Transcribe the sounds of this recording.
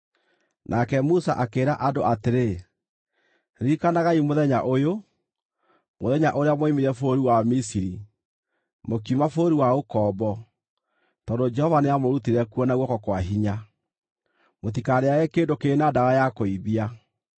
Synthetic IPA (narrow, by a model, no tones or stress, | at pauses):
nʔakɛmusa̰ʔakeːɾaʔadoʔateɾe | ɾikanaɣaimoðɛɲaʔojo | moðɛɲaʔoɾeamwimiɾɛfoːɾiwamisiɾi | mokiumafoɾiwaokɔːbɔ | tɔndod͡ʒɛhɔvaneamoɾutiɾɛkuɔnaɣwɔkɔkwaɦiɲa | motikaɾeaɛkeːndokeːnadaɣajakoiβia